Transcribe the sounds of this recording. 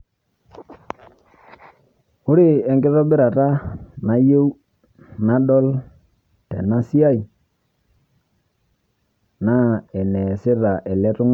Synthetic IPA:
ʊ˦ɾɪ˦ɛ˨ŋɡɪ˦ðɔ˦bɪ˦ɾa˨ta˦na˦je˦w | na˦ɗɔ˦l | tḛ˨na˦si˦a˦˨i˨ | na˦ɛ˨nɛ˨sɪ˦ɾa˨ʔɛ˨lɛ˦tʊ˦ŋ˦

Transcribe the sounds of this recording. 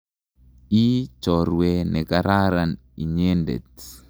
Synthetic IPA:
i˦t͡ʃɔ˨ɾwe˨nɛ˨kaɾa˦ɾan | i˨ɲe˦ndḛ˨t̚

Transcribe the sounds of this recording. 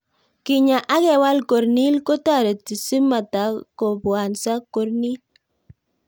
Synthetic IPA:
kɪ˨ɲa˨ʔa˦kɛ˦˨wa˦lko˨ɾni˦lko˦ta˦˨ɾe˨ti˨si˦ma˨ta˨˦kɔ˨bwa˨nsa˦ko˨ɾni˦l

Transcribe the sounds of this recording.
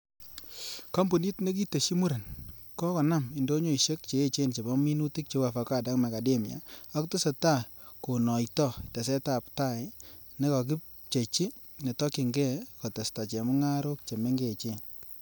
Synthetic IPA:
kɔ˦mbu˨ni˦tne˦k̬i˦to˨ʃi˦mu˦ɾe˨nkɔ˦kɔ˨na˦mi˨ndo˦ɲo˦˨i˨ʃe˦k̚t͡ʃeː˨˦t͡ʃe˦nt͡ʃe˨bɔ˦mi˦nu˦ti˦k̚t͡ʃe˨˦wa˨fa˨ka˦˨da˦kma˨ka˨de˦m˨a̰˨ɔ˦kto˦sɔ˨ta˦˨ | ko˨nɔ˨jtɔ˦˨ta˨s̬ɛ˦ta˨pta˦˨ɪ˨ | ne˦kɔ˨k̬ɪ˦p̚ | t͡ʃe˨t͡ʃi˦ | ne˨tɔ˦ki˨ŋɡɛ˦˨kɔ˨te˨sta˨t͡ʃe˨mʊ˦ŋa˦ɾo˦k̚t͡ʃe˨me˦ŋɡe˦˨t͡ʃe˦n

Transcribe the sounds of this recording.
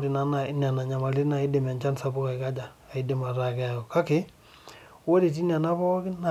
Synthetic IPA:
ɾi˨na˦na˨i˦n˨a˨na˨ɲa˨ma˨li˦na˨i˦de˨m˨a˨nt͡ʃa˦nsa˦bu˦ka˨i˨ka˦d͡ʒaː˨i˦de˦˨ma˨ɾa˨kɛ˦a˨ɔ˨ka˦kɪ˦ | wo˦ɾi˨t̬i˦n˦a˨na˦pɔ˦kɪ˦na˨

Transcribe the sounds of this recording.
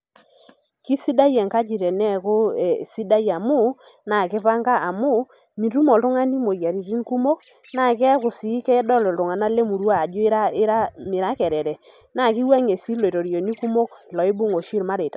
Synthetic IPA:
ki˦si˦da˦jɛ˨ŋka˦d͡ʒi˨ɾɛ˨nɛ˦kʊ˦e˨si˦da˦ja˨mʊ˦ | na˨kɪ˦pa˦ŋɡa˦ʔa˨mʊ˦˨ | mi˨t̬u˦mɔ˨ltʊ˦ŋa˦ni˦mo˨ja˨ɾi˨ti˦nku˦mo˦k | na˨kɛ˦kʊ˨si˨˦kɛ˦ɛ˦dɔ˦lɔ˨tʊ˨ŋa˨na˦le˦mu˨ɾwaː˦˨d͡ʒʊ˦ɾa˦ɾa˦mɪ˨ɾa˦kɛ˨ɾɛ˨ɾɛ˨ | na˨ki˦wa˦ŋe˨si˦lwe˨to˨ɾjo˨ni˦ku˦mo˦klɔ˨ɪ˦bʊ˦ŋo˨ʃi˦ɾma˦ɾe˨ta˨

